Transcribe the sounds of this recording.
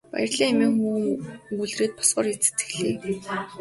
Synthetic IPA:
pæ̰j̆rɮiːŋmiːŋxuːɡuɮreːt̪̚pʰɔ̥sɢɔːrit͡se̥t̪ɡɘ̥̆xɮeː

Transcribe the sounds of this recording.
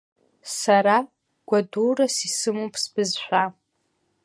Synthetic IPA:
saɾa | ɡ̥ʷadurasisɨmupʰsb̥ɨzħʷᶣa

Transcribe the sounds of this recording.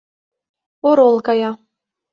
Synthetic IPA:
oɾolˠkɑjɑ

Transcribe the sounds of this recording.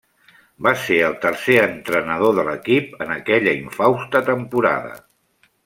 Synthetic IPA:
baseəlˠt̪ərseənt̪ɾənəð̞oðələkipənəkɛʎəiɱfawst̪ət̪əmpuɾa̰ðə̰

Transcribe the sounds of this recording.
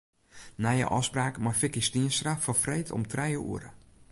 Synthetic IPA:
najə̰ʔɔfspraːkmarfɪkistiənstrafɔfrejtʰɔ̰mtrɛjəʔṵəɾə̰

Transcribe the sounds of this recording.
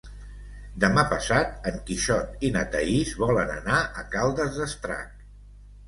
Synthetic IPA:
d̪əmapəsat̪əŋkiʃɔt̪inət̪əizβɔlənə̰naʔəkalˠd̪əzðəst̪ɾa̰k̚

